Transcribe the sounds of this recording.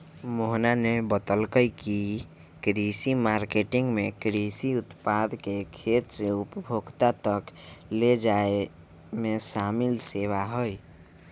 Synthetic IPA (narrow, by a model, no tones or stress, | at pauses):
moɦnanebət̪əlkəjki | kɾisimaːɾkeʈɪ̃ŋɡmẽkɾisiʊt̪pad̪kekʰeːt̪seʊpəbʱoɡt̪at̪əkled͡ʒae | mesaːmilsewaɦoi